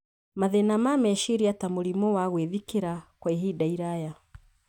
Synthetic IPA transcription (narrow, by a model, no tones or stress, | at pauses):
maðɛnamamɛʃiɾiatamulimɔwaɣwɛðikiɾakwaiɦiɗaiɾaja